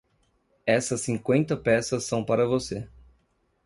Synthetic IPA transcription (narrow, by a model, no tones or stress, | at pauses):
ɛsɐsːĩŋkwẽnt̪ɐpɛsɐsːɐ̃w̃paɾɐvose